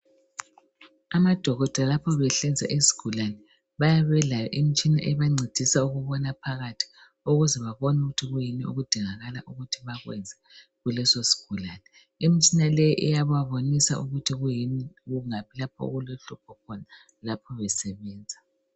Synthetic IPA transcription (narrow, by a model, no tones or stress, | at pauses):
amad̥ʱɔɣɔd̥ʱalapʰɔβɛɬɛnd͡zʱa̰ʔizi̥ɡ̥ʱulanɛ | βajaβɛlajɔʔim̩t͡ʃʼina̰ʔɛβaŋ͡ǀʱid̥ʱisauɣuβɔnapʰaɣatʰi̥ | uɣuzɛβaβɔnuɣutʰiɣujiniṵɣud̥ʱiŋaɣalaʔuɣutʰiβaɣwɛ̰nd͡zʱɛ | ɣulɛsosi̥ɡ̥ʱulanɛ | imit͡ʃʼinalɛjʔɛjaβaβonisa̰uɣutʰiɣujiniɣuŋapʰilapʰɔ̰ɣuloɬupʰɔkʰɔna | lapʰɔβɛsɛβɛːnd͡zʱa